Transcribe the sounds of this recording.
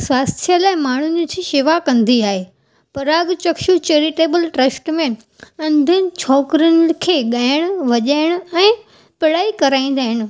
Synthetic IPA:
sʋaːst̪ʰijəlaːɪmaːɳ̤ʊnd͡ʑit̪ʰiʃɪʋakɐ̃nd̪iaːɦeː | pɐɾaːɡt͡ɕɐkʃut͡ɕeːɾɪʈeːbəlʈɾɐsʈmẽ | ɐ̃nd̪ʱənɪ̆t͡ɕʰɔːkɾjʊnkʰeːɠaːɪɪɽ̃ʊ̆ʋɐʄaːɪɽ̃ʊ̆ɛ̃ː | pɪɽaːikɐɾaːĩːnd̪aːɦɪɽ̃ɪ̆

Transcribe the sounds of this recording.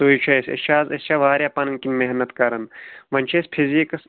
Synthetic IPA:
t̪oːit͡ʃʰɐsʲḛst͡ʃʰaːzest͡ʃʰaʋaːɾjaːpɐnɐnkinmeɦnɐt̪kɐɾɐnmɐnʲt͡ʃʰespʰizikɐs

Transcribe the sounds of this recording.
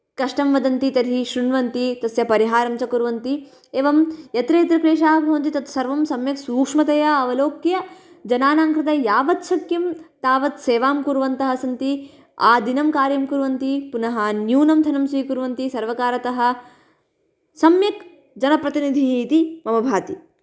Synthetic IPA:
kɐʂʈɐmʋɐd̪ɐnt̪it̪ɐd̪ʱiʃɾuɳʋɐnt̪it̪ɐsjɐpɐɾiɦaːɾɐmt͡ʃɐkuɾʋɐnt̪i | eːʋɐmjɐt̪ɾɐːt̪ɾɐkɾeːʃaːɦɐbʱɐʋɐnt̪it̪ɐt̪ɐ̥sɐɾʋɐmsɐmjɐksuːkʂmɐt̪ɐjɐɐʋɐloːkjɐ | d͡ʒɐnaːnaːŋkɾɪt̪ɐjaːʋɐt̪sɐkjɐmt̪aːʋɐt̪seːʋaːmkuɾʋɐnt̪ɐɦɐsɐnt̪i | aːd̪inɐmkaːɾjɐmkuɾʋɐnt̪ipunɐɦɐnjuːnɐmd̪ʱɐnɐmsiːkuɾʋɐnt̪isɐɾʋɐkaːɾɐt̪ɐɦɐ̆ | sɐmjɐk | d͡ʒɐnɐpɾɐt̪inid̪ʱiɦt̪imɐmɐbʱaːt̪i

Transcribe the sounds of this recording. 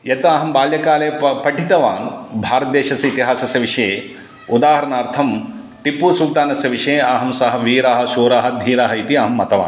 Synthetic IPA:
jɐt̪ɐɐɦɐmbaːljɐkaːleːpɐʈʰit̪ɐʋaːnbʱaːɾɐt̪̚d̪eːʃɐsɐit̪iɦaːsɐsjɐʋiʂɐje | ud̪aːɦɐɾɐnaːɾt̪ʰɐm | ʈipːuːsukt̪aːnɐsjɐʋiʂejeaɦɐmsɐɦɐ̆ʋiːɾaːɦɐ̆ʃuːɾaːɦɐ̆d̪ʱiːɾaːɦɐit̪iɐɦɐmːɐt̪ɐʋa̰ːn

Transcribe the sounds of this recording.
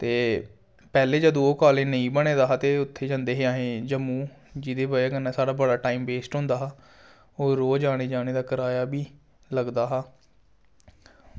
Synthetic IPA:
t̪eː | pɛːleːd͡ʒəd̪ooːkaːlẽːnəĩːbəɽẽːd̪aːɦaːt̪eːʊt̪ʰːeːd͡ʒãːnd̪eːɦeːaːɦẽːd͡ʒəmũː | d͡ʒɪd̪eːbaːaːkənːãːsaːɽaːbəɽaːʈaːiːmbeːsʈɦʊ̃ːnd̪aːɦaː | oːɾoːd͡ʒaːɽ̃eːd͡ʒaːɽ̃eːd̪aːkəɾaːjaːbiː | ləɡd̪aːɦaː

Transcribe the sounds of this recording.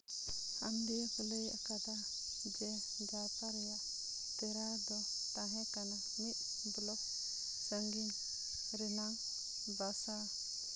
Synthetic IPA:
amd̪ikɔleja̰kad̪a | d͡ʒɛ | d͡ʒat̪aɾɛjaʔ | t̪ɛɾa | d̪ɔ | t̪aŋɛkana | nit̪̚ | bɔlɔk̚ | səŋɡin | ɾɛnaŋ | basa

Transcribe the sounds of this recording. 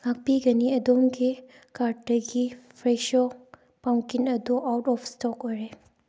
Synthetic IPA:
hak̚piɡɐniɐdomɡi | kaɾ̚dɐɡipʰɾeʃɔ | paŋkinɐduʔawtɔpʰstɔkojɾe

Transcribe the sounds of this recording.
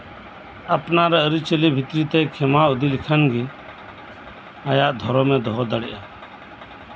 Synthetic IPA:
əpnaːɾɛəɾit͡ʃəlibʱɪt̪ɾiːt̪ekʰemaːʊd̪ilɪkʰənɡi | ajaːʔd̪ʱɔɾoːmẽːd̪ɔɦɔd̪əɽɪʔa

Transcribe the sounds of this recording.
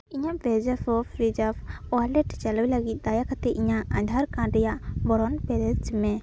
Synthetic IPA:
iɲaʔbɛd͡ʒafɔfɾid͡ʒafɔalɛʈt͡ʃalujləɡit̪̚d̪ajakat̪ɛʔiɲaʔad̪ʱaɾkãɾɛjaʔbɔɾɔnpɛɾɛd͡ʒimɛ

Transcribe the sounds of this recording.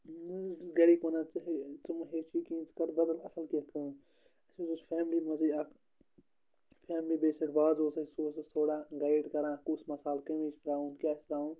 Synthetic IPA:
ɡɐɽiːpoːnat͡sɦet͡sumɦeːt͡ʃiːkĩːnt͡skɐɾbɐd̪ɐlɐsɐlkikʰɨ̃ːn | ɐsũd͡ʒuspʰɛːmlimɐziɐk | pʰɛːmlibeːseʈbaːzoːsɐsoːsɐt̪ʰoːɽaːɡaːɪɖkɐɾãːkusmɐsaːlkɐmist̪ɐɾaːũːnkʲaːst̪ɐɾaːũːn

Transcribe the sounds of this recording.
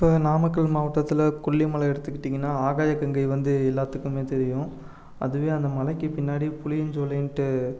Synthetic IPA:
ɪpːoːnaːmɐkːɐɭmaːʋɐʈːɐt̪ːɪlɐkʊɭːimɐlɐɛɽɯt̪ːɯkːɪʈːiːŋɡɐnːaːaːɣaːjɐkːɐŋɡɐɪʋɐnd̪ɯɛlːaːt̪ːɯkːɯmeːt̪ɛɾɪjʊ̃ | ʔɐ̰ðɯʋeːɐnd̪ɐmɐlɐɪkːɯpɪnːaːɽipʊlɪjɲd͡ʒoːlɐɳʈɯ

